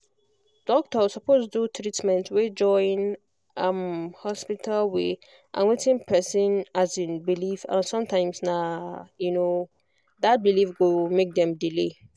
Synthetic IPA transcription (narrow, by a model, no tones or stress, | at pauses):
d̥ɔk̚tɔsɔpostdutʰɹitmɛ̃ntwed͡ʒɔ̃ɪĩn | ʌmhɔspitʰalwe | ʔã̰nwetĩnpʰɛsĩnazĩnbilifã̰nsɔ̃mtʰãɪ̃msnajuno | dat̚bilifɡomek̚dɛ̃mdile